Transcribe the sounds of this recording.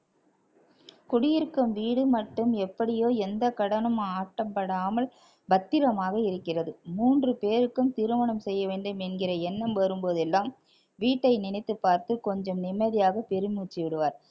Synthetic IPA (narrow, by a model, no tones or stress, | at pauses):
kʊɽɪjɪɾkːɯmʋiːɽɯmɐʈːɯmɛpːɐɽɪjoːɛnd̪ɐkɐɽɐnɯmaːʈːɐmpɐɽaːmɐl | bɐt̪ːɪɾɐmaːɣɐɪɾɯkːɪrɐðɯmuːndrɯpeːɾɯkːɯmt̪ɪɾɯmɐɳɐmsɛjːɐʋeːɳɖɯmɛnɡɪrɐɛnːɐmʋɐɾɯmpoːðɛlːaːm | ʋiːʈːɐɪnɪnɪt̪ːɯpːaːɾt̪ɯkɔɲd͡ʒɐmnɪmːɐðɪjaːɣɐpɛɾɯmuːt͡ʃːɪʋɪɽɯʋaːɾ